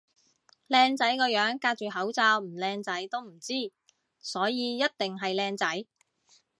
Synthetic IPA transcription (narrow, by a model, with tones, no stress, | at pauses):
lɛː˧ŋt͡sɐ˨˥jkɔː˧jœː˨˥ŋkaː˧k̚t͡ʃyː˨˩hɐ˨˥wt͡saː˨˧wm̩˨˩lɛː˧ŋt͡sɐ˨˥jt̪o˥wm̩˨˩t͡siː˥˩ | sɔː˨˥jiː˨˧jɐ˥t̚t̪ɪ˨ŋɦɐ˨jlɛː˧ŋt͡sɐ˨˥j